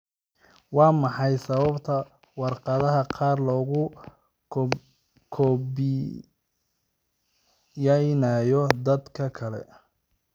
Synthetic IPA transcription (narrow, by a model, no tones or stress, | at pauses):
wɑːmɑħɑjsɐβɐbt̪ʰɐ | wɑrqɑðɐɦɐqʰɑːrlɔːɣʊ | kʰɔbɪ | jɐjnɐːjɔd̪ɐd̪kʰɐkʰɐlɛ̰